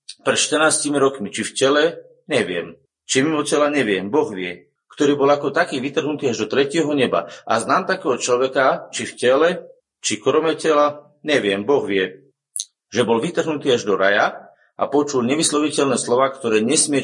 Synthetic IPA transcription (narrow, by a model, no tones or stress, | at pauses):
pɾɛt̪ʃt̪ərɾnaːscimiɾɔkmit͡ʃifcɛlɛ | ɲɛʋɪɛ̰m | t͡ʃimimɔcɛlaɲɛʋɪɛmbɔɣʋɪɛ | kt̪ɔɾiːbɔlakɔt̪akiːʋit̪r̩ɦnut̪iːaʒd̪ɔt̪ɾɛcɪɛɦɔɲɛba̰ʔa̰znaːmt̪akɛːɦɔt͡ʃlɔʋɛkat͡ʃifcɛlɛ | t͡ʃikɾɔmɛcɛla | ɲɛʋɪɛmbɔɣʋɪɛ | ʒɛbɔlʋit̪r̩ɦnut̪iːaʒd̪ɔɾa̰ja | ʔa̰pɔt͡ʃulɲɛʋislɔʋicɛʎnɛːslɔʋaːkt̪ɔɾɛːɲɛsmɪɛ